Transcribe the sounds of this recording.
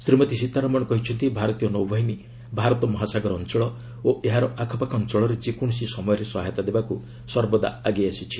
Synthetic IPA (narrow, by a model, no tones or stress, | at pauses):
sɾimɔt̪isit̪aɾɔmɔɽ̃ɔkɔɦit͡ʃʰɔnt̪ibʱaɾɔt̪ijɔnowbʱɔɦini | bʱaɾɔt̪ɔmɔɦasaɡɔɾɔnt͡ʃɔɭɔ | oeɦaɾɔʔakʰɔpakʰɔnt͡ʃɔɭɔɾed͡ʒekuɽ̃sisɔmɔjɔɾesɔɦajt̪ad̪ebaku | sɔɾbɔd̪a̰aɡeasit͡ʃʰi̥